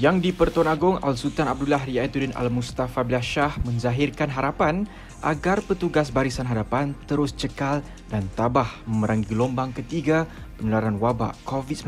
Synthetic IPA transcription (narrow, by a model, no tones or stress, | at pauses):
jaŋdipərt̪oanaɡʊŋa̰lsut̪anab̚dulaɦɾiait̪udɛna̰lmust̪afabilaʃahmə̃ɲzaɦirkanɦaɾapan | ʔa̰ɡarpət̪uɡasbaɾisanɦaɾapant̪əɾʊst͡ʃəkal | dant̪abahməməɾaŋɡiɡlɔmbaŋkət̪iɡa | pəɲəlaɾanwaba̰ʔkovis